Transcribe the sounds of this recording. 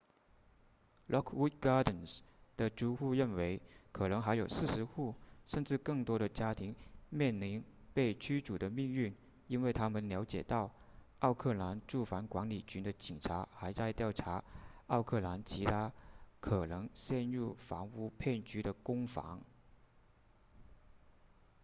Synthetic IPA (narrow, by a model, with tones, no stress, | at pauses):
lʔɔ˥kʰwu˥t̪̚ɡɑ˥d̪ə˨˩nsd̪̥ə˨ʈ͡ʂu˥xu˥˧ɻə˥˩nwe˧˥ɪkʰɤ˨˩nɤ˧˥ŋxa˧˥ɪjo˨˩ʊsɹ̩˥˩ʂɻ̩˧˥xu˥˩ʂə˥˧nʈ͡ʂɻ̩˥˧kɤ˥˩ŋt̪wɔ˥ɾə˨t͡ɕja˥t̪ʰi˧˥ŋmjɛ˥˩nli˧˥n | pe˥˩ɪt͡ɕʰy˥ʈ͡ʂu˨˩d̪ə˦mi˥˧ŋy˥˩n | i˥nwe˥˩ɪt̪ʰa˥mə˨nljɑ˧˥ʊt͡ɕjɛ̰˨˩t̪ɑ˥˩ʊ | ɑ˥˧ʊkʰɤ˥˩la˧˥nʈ͡ʂu˥˩fa˧˥nkwa˧˥nli˨˩t͡ɕy˧˥nd̪ə˧t͡ɕi˨˩ŋʈ͡ʂʰa˧˥xa˧˥ɪt͡sa˥˧ɪt̪jɑ˥˩ʊʈ͡ʂʰa˧˥ɑ˥˧ʊkʰɤ˥˩la˧˥nt͡ɕʰi˧˥t̪ʰa˥kʰɤ˨˩nɤ˧˥ŋɕjɛ˥˧nɻu˥˩fɑ̰˧˥ŋu˧˥˩pʰe˥˩nt͡ɕy˧˥ɾə˧kʊ˥ŋfɑ̰˧˥ŋ